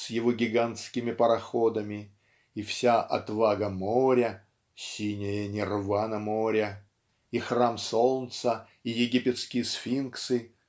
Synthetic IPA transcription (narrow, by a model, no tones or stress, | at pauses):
sʲjɪvoɡʲɪɡant̪skʲɪmʲɪpəɾɐxod̪əmʲɪ | ifsʲaʔɐ̰t̪vaɡəmoɾʲə | sʲinʲɪjənʲɪrvanəmoɾʲə | ixramsolˠnt̪sə | ijɪɡʲipʲɪt̪skʲɪjəsfʲinksɨ